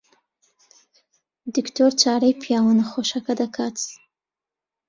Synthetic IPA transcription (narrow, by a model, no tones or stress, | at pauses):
d̪iktoɾt͡ʃɑɾəjpjɑwənaxoʃakad̪akɑt͡s